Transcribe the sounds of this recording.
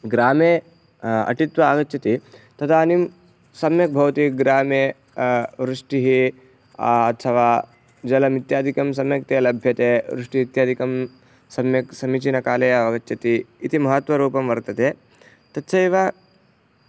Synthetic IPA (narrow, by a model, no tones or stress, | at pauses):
ɡɾaːme | ɐ̰ʈit̪ʋɐaːɡɐtːt͡ʃɐt̪it̪ɐt̪ʰaːnim | sɐmjɐk̚bʱɐʋɐt̪iɡɾaːme | ʋɾɪʂʈiɦi | ɐt̪ʰːɐʋaː | d͡ʒɐlɐmit̪jaːd̪ʱikɐms̬ɐmjɐk̚t̪elɐbʱjɐt̪eːʋɾɪʂʈiːt̪jaːd̪ʱikɐm | sɐmjɐksɐmit͡ʃinɐkaːlejaʋɐɡɐtːt͡ʃːɐt̪iːt̪imɐɦɐt̪ʋɐɾuːpɐmʋɐɾt̪ɐt̪eː | t̪ɐt̪ːʃʰɐiːʋaː